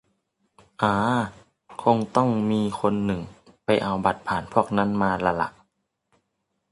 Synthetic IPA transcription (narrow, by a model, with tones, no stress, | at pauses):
ʔaː˧ | kʰo˧ŋt̪ɔ˥˩ŋmiː˧kʰo˧nːɯ˨˩ŋpa˧jʔa˧wba˨˦t̪̚pʰaː˨˩˦npʰu˥˩ək̚na˥˨nmaː˧la˧la̰˧˦ʔ